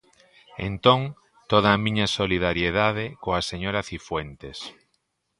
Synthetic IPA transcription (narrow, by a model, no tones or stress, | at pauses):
ent̪õŋ | t̪oð̞ɐːmĩɲasoliðaɾjeðaðekoaseɲoɾaθifwent̪es